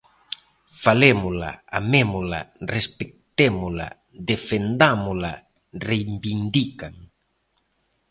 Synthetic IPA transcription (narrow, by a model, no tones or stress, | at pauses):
falemʊla̰a̰memʊla̰respek̚t̪emʊla̰ | d̪efend̪amʊla̰ | rejmbind̪ikaŋ